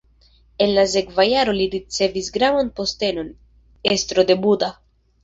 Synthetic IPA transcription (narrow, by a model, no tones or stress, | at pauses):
e̞nlas̬e̞kvajaɾo̞liɾit͡se̞visɡɾavanpo̞ste̞no̞n | e̞st̪ɾo̞d̪e̞buda